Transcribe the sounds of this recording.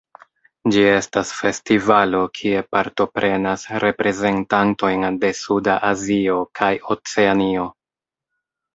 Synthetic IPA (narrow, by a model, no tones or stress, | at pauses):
d͡ʒie̞stasfe̞stivalo̞kʰie̞paɾto̞pɾʔe̞nasɾe̞pɾʔe̞ze̞ntanto̞jnde̞sudaʔazio̞kʰajo̞t͡se̞anio̞